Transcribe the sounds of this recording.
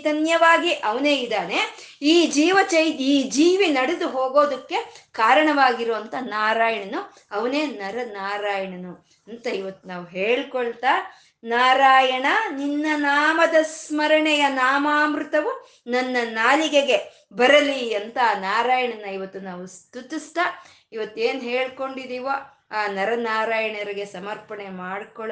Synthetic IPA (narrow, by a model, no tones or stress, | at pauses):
t̪ɐnjɐʋaːɡiʔɐʋɐne̞ːid̪aːne̞ | iːd͡ʒiːʋɐt͡ʃɐjt̪iːd͡ʒiːʋinɐɽed̪uɦoːɡo̞ːd̪ɐkːe̞kaːɾɐɳɐʋaːɡiɾoːɐnt̪ɐnaːɾaːjɐɳɐnu | ɐʋɐne̞ːnɐɾɐnaːɾaːjɐɳɐnu | ɐnt̪ɐiʋɐt̪ːunaːʋuɦeːɭikɔɭt̪a | naːɾaːjɐɳɐninːɐnaːmɐd̪ɐsmɐɾɐɳɛjɐnaːmaːmɾut̪ɐʋu | nɐnːɐnaːliɡeɡe̞ | bɐɾɐliɐnt̪ɐnaːɾaːjɐɳɐnːɐiʋɐt̪ːunaːʋust̪ut̪ust̪ɐ | iʋɐt̪ːueːnɦeːɭkoɳɖid̪iːʋo | aːnɐɾɐnaːɾaːjɐɳɐɾiɡe̞sɐmɐɾpɐɳemaːɽkɔɭ